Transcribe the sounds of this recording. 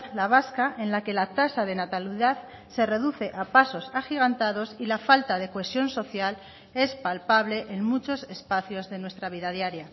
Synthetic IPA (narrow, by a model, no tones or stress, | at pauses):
laβ̞askaʔẽ̞nlake̞lat̪asaðe̞nat̪aliðað | se̞re̞ðuθe̞ʔapaso̞saxiɣant̪aðo̞silafalt̪að̞e̞koe̞sjo̞nso̞θjal | e̞spalpaβle̞ʔeŋmut͡ʃo̞se̞spaθjo̞zðe̞nwe̞st̪ɾaβ̞iðaðjaɾja